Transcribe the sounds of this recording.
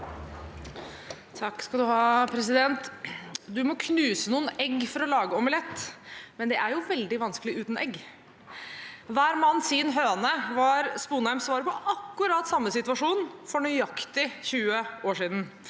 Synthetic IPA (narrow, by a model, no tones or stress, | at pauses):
t̪ʰɑkːskɑd̪ʉhɑːpʰɾɛs̬ɪd̪ɛnt̪d̪ʉmɔkʰnʉːsənuːənɛɡfɔɾɔlɑːɡəɔməlɛt̪ːmɛnd̪ɛʔæɾjʊʋɛld̪ɪʋɑnskəlɪʔʉːt̪nɛɡː | ʋæːɾmɑnːsiːnɦøːnəʋɑɾspuːnæɪmsʋɑːɾəpɔʔɑkːʉɾɑːt̪sɑmːəsɪt̪ʋɑʂuːnfɔɳœʏɑkt̪ɪçʉːəoːʂiːd̪n̩